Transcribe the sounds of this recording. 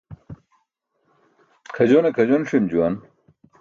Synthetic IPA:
kʰɐd͡ʑonekʰɐd͡ʑonʂimd͡ʑuwɐn

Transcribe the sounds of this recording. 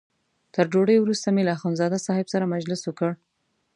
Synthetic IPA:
t̪əɾd͡ʒoɽəjwɾust̪ameləaxonzɑd̪asɑhɪbsaɾamad͡ʒlɪswəkəɽ

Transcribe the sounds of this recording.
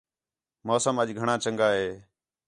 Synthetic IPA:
moːsəməʄɡʱəɳãːt͡ʃəŋɡaːɦeː

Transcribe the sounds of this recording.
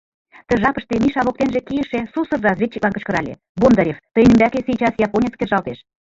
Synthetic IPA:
t̪ə̆ʒɑpə̆ʃt̪emiʃɑβok̚t̪enʒĕkijə̆ʃĕsusɤ̆rrɑzβʲet̪ːik̚lɑnkə̆t͡ɕkɤ̆ɾɑ̰lʲḛ | bond̪ɑɾʲext̪əjnəmbækesijt͡ɕɑsjɑponʲet͡sskʲerʒɑlˠt̪eʃ

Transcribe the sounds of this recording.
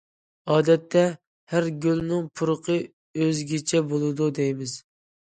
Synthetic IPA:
ɑːd̪ɛt̪ʰːɛ | hæɾɡʲylnɪŋpʰʊɾəqʰə | øzɡʲet͡ʃʰɛbolˠɨd̪ud̪ejmɪz̥

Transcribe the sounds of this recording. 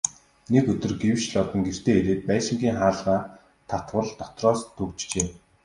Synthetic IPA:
nekɵt̪ɵ̆rɡewʃɮɔt̪ɞ̆ŋɡer̥t̪eːeɾeːt̪̚pæːʃɪ̆ŋɡʲiːŋχaːɮʁaː | t̪ʰat̪wə̆ɮt̪ɔt̪rɔːst̪ʰɵkt͡ɕt͡ɕeː

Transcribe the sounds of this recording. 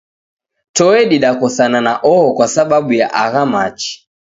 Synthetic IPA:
tɔɛɗiɗakɔsananaʔɔhɔkwasaɓaɓuja̰ʔaɣamat͡ʃi̥

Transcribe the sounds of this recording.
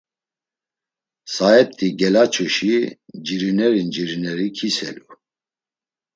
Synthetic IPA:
saɛt̪ʰʼːiɡɛlat͡ʃʰuʃid͡ʒiɾinɛɾind͡ʒiɾinɛɾikʰisɛ̰lu

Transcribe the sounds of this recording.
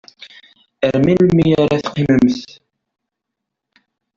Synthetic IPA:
əɾminlmijaɾaθqːiməmθ

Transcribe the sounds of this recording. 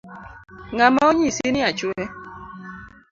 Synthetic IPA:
ŋamaoɲisinɪat͡ʃwɛ

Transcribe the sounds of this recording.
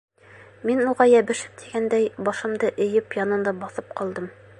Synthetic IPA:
minuʁɑjæbɘ̆ʃɘ̥p̚t̪ʰiɡænd̪æjbɒʃɤ̆md̪ɤʔɘ̆jɘpjɒnɤ̆nd̪ɑbɒθɤp̚qɒlˠd̪ɤm

